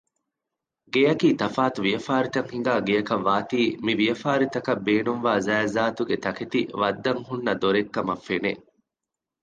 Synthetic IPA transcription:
ɡejɐkiːt̪ɐfaːt̪uʋijɐfaːɾit̪ɐŋhiŋ̆ɡaːɡijɐkɐʋːaːt̪iːmiʋijɐfaːɾit̪ɐkɐbeːnuŋʋaːzæːzaːt̪uɡet̪ɐket̪ḭʋɐd̪ːɐŋɦunːɐd̪oɾekːɐmɐfːenḛ

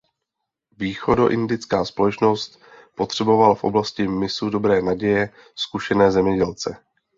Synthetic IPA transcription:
viːxo̞do̞ʔɪndɪt͡skaːspo̞lɛt͡ʃno̞st̪ | po̞t̪r̝̥ɛbo̞valafʔo̞̰blascɪmɪsudo̞bɾɛːnaɟɛjɛ | skuʃɛnɛːzɛmɲɛɟɛlt͡sɛ̰

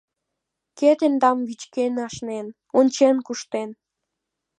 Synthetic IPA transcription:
ket̪end̪ɑmvit͡ɕkenɑʃnen | onʲt͡ɕenkuʃt̪en

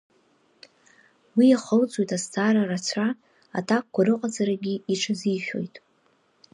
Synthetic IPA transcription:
wijaχəlt͡sʼojtʼastʰaːɾarat͡sʷʰa | a̰tʰak̚kʷaɾɨqʼazaɾaɡʲiiʈ͡ʂʰaziʃᶣo̞̰jtʼ

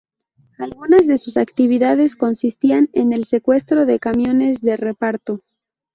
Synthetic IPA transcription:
alɣunazðe̞susakt̪iβ̞iðaðe̞sko̞nsist̪iane̞ne̞lse̞kwe̞st̪ɾo̞ðe̞kamjo̞ne̞zðe̞re̞paɾt̪o̞

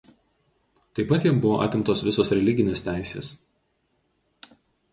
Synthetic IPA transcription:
t̪ɐɪpɐt̪jɛmbʊʋoːʔɐ̰ˑt̪ʲɪmt̪oːsʋʲɪsoːsɾʲɛlʲɪɡʲɪnʲeːst̪ʲæˑɪsʲḛːs

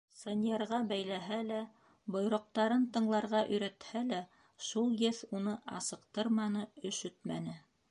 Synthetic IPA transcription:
sonʲeɾʁɑbæjlæɦælæ | bŏjɾŏq̚t̪ɑɾɤnt̪ɤ̆ɴlˠɑɾʁɑʔɵ̆jɾæt̪hælæ | ʃulˠjɘθunɤʔɑsɤ̆qt̪ɤɾmɑnɤɵ̆ʃɵt̪mænɘ

